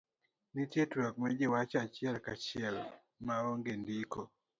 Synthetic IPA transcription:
nitjetwak̚mɛd͡ʒɪwat͡ʃat͡ʃɪɛlkat͡ʃɪɛl | maoŋɡendiko

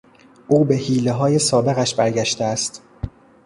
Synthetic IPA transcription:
ʔuːbe̞hiːleɦɒːje̞sɒːbe̞ɣæʃbæɾɟæʃt̪eæst̪

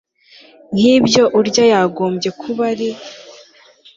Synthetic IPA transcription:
n̥hiːbjo̞ʔuɾɟajaɡo̞ːmbje̞kʰuβaɾi

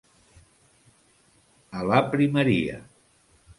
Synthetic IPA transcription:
əlapɾiməɾiə̰

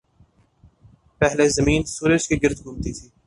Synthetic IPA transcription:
pɛɦlezɐmiːnsuːɾət͡ʃkiɡɪɾd̪ɡʱʊmt̪it̪ʰiː

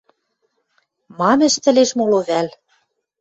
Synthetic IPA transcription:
mɑmɘ̆ʃt̪ɘ̆leʃmoloβæl

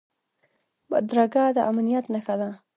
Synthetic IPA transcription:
ba̰d̪ɾaɡad̪əʔamnijat̪naxad̪a

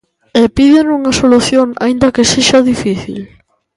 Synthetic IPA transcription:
ɛpiðenuŋɐsoluθjoŋa̰ind̪ɐkeseʃɐðifiθḭl

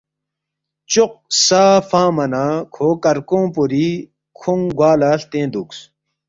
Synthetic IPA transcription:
t͡ɕoq̚saːfãːmɐnaːkʰoːkɐɾkõːpuɾi | kʰuŋɡwaːlaːɬt̪ẽːd̪uks

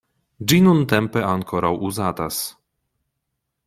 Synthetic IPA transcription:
d͡ʒinunt̪ɛmpɛaŋkʰoɾawʔuzaːt̪as

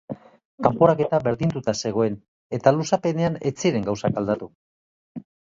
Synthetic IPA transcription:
kampo̞ɾake̞t̪aβe̞ɾðint̪ut̪ase̞ɣ̞o̞e̞n | e̞t̪alusape̞ne̞ane̞t͡siɾe̞ŋɡawsakald̪at̪u

